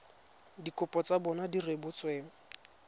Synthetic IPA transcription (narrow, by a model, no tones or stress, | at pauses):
dikʼʊpʼɔt͡sabɔnadirebʊt͡sʼweːŋ̩